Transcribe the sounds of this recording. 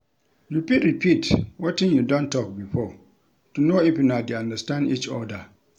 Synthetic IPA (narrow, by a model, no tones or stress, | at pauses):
jupitɹipʰitwɔtɪ̃njudɔ̃ntʰɔk̚bifɔ | tʰunoipɪ̃nadeãndastãndit͡ʃɔda